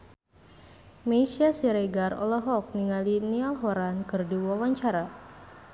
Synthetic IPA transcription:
meisiasiɾeɡarɔ̰lɔɦɔk̚niŋalinialɦɔɾankɨrdiwawaɲt͡ʃaɾa

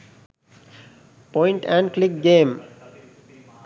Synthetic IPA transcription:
pɔ̃ɪ̃ɳʈɛ̃ɳɖklɪk̚ɡẽːm

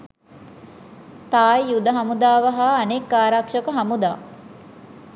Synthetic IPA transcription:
t̪aːjjud̪əɦɐmud̪aːʋəɦaːnekːaːɾakʂəkəɦamud̪a̰ː

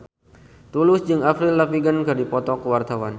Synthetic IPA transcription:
t̪ulʊsd͡ʒɨŋafɾilːafiɡənkədipɔt̪ɔkəwart̪awan

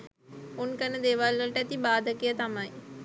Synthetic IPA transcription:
unkənəd̪eːʋalʋəlʈəæt̪ibaːd̪əkijət̪amaj

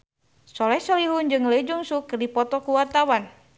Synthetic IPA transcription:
sɔlɛhsɔliɦund͡ʒɨŋləd͡ʒuŋsukːɨrdipɔt̪ɔkuwart̪awan

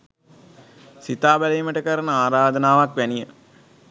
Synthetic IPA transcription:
sit̪aːbælejːməʈəkəɾənəaːɾaːd̪ənaːʋakʋænijə

